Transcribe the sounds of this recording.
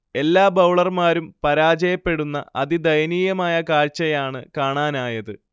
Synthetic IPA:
e̞lːaːbɐwɭɐrmaːɾumpɐɾaːd͡ʑɐjɐpːe̞ɽunːɐʔɐðid̪ɐjɐniːjɐmaːjɐkaːɻt͡ɕːɐjaːɳɨkaːɳaːnaːjɐðɨ

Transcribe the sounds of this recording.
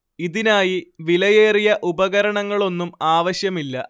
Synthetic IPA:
iðinaːjiʋilɐje̞ːrijɐʔubɐɣɐɾɐɳɐŋːɐɭo̞nːumaːʋɐɕjɐmilːɐ̰

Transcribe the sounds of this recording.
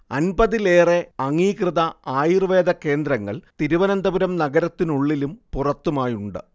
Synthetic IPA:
ɐnbɐðileːre̞ɐŋːiːkrɨðɐaːjirʋe̞ːd̪ɐke̞ːnd̪ɾɐŋːɐ̰ɭt̪iɾuʋɐnɐnd̪ɐbuɾɐmnɐɡɐɾɐt̪ːinuɭːilumpurɐt̪ːumaːjuɳɖɨ̰

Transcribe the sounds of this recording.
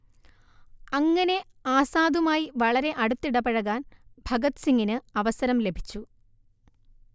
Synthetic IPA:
ɐŋːɐne̞ | aːsaːd̪umaːjiʋɐɭɐɾe̞ʔɐɽut̪ːiɽɐpɐɻɐɣaːnbʱɐɡɐt̪siŋɡinɨɐʋɐsɐɾɐmle̞bʱi̥t͡ɕːu

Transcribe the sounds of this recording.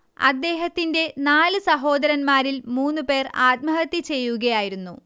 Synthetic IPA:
ɐ̰d̪ːe̞ːɦɐt̪ːinde̞naːlɨsɐɦo̞ːd̪ɐɾɐnmaːɾilmuːnːupe̞ːraːt̪̚mɐɦɐt̪ːit͡ɕe̞jːuɣɐjaːjiɾunːu

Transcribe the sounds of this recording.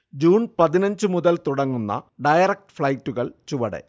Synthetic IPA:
d͡ʑuːnpɐðinɐɲd͡ʑɨmuðɐlt̪uɽɐŋːunːɐ̰ɖɐjɐrɐk̚ʈfɭɐjtːuɣɐɭt͡ɕuʋɐɽḛ

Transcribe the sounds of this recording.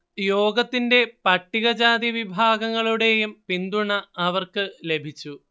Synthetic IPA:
jo̞ːɡɐt̪ːinde̞pɐʈːiɣɐd͡ʑaːd̪iʋibʱaːɡɐŋːɐɭuɽe̞jumpind̪uɳɐːʋɐrkɨle̞bʱit͡ɕːu

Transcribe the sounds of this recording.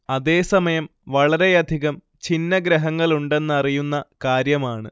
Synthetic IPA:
ɐðe̞ːsɐmɐjɐm | ʋɐɭɐɾe̞jɐd̪ʱiɣɐm | t͡ɕinːɐɡɾɐɦɐŋːɐɭuɳɖe̞nːɐrijunːɐkaːɾjɐmaːɳɨ

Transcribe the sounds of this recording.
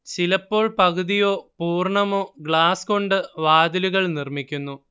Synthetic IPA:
silɐpːo̞ːɭpɐɣɨðijo̞ːpuːrɳɐmo̞ːɡɭaːsko̞ɳɖɨʋaːd̪iluɣɐɭnirmikʲːunːu

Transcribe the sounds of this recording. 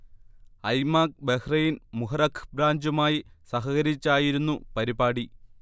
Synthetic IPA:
ɐjmaːk̚behrɐjinmuɦɐrɐkʰbɾaːɲd͡ʑumaːjisɐɦɐɣɐɾit͡ɕːaːjiɾunːupɐɾibaːɽi

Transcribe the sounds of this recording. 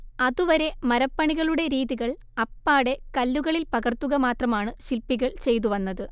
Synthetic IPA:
ɐðuʋɐɾe̞mɐɾɐpːɐɳiɣɐɭuɽe̞ɾiːðiɣɐɭ | ɐpːaːɽe̞kɐlːuɣɐɭilpɐɣɐrt̪ːuɣɐmaːt̪rɐmaːɳɨɕilpːiɣɐɭt͡ɕe̞jt̪uʋɐnːɐðɨ

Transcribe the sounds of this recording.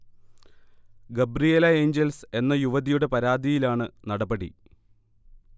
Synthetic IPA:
ɡebrijelɐe̞ːɲd͡ʑelse̞nːɐjuʋɐðijuɽe̞pɐɾaːd̪ʱijilaːɳɨnɐɽɐbɐɽḭ

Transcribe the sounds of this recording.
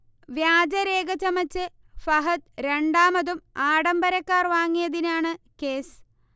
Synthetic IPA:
ʋjaːd͡ʑɐɾeːɡɐt͡ɕːɐmɐt͡ɕːɨ | fɐɦɐt̪̚ɾeɳɖaːmɐðumaːɽɐmbɐɾɐkːaːrʋaːŋːijɐðinaːɳɨke̞ːs

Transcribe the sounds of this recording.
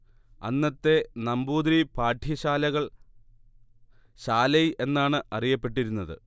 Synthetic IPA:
ɐ̰nːɐt̪ːe̞nɐmbuːd̪ɾipaːʈʰjɐɕaːlɐɣɐɭ | ɕaːlɐjʔe̞nːaːɳɨʔɐrijɐpːe̞ʈ̬ːiɾunːɐðɨ̰

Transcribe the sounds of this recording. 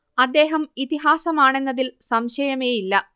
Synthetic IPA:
ɐd̪ːe̞ːɦɐmit̪iɦaːsɐmaːɳe̞nːɐðilsɐmɕɐjɐme̞ːjilːɐ

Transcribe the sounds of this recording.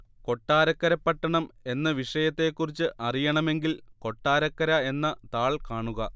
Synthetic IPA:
ko̞ʈːaːɾɐkːɐɾɐpːɐʈːɐɳɐme̞nːɐʋiʂɐjɐt̪ːe̞kːurit͡ɕːɨʔɐrijɐɳɐme̞ŋɡilko̞ʈːaːɾɐkːɐɾɐe̞nːɐt̪aːɭkaːɳuɣɐ

